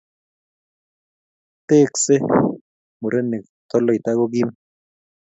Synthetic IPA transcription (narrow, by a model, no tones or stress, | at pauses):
t̪eːkse | muɾenek̚ | t̪oloit̪aɣoɡ̬im